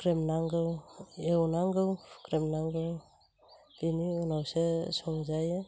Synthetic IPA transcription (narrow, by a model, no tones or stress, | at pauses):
kɾemnaŋɡɯwewnaŋɡɯwkɾemnaŋɡɯw | iniunawsesɔŋzajɯ